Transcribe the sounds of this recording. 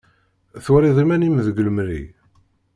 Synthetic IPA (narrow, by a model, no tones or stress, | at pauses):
θuɾiðˤimænimðəɡləmɾḭ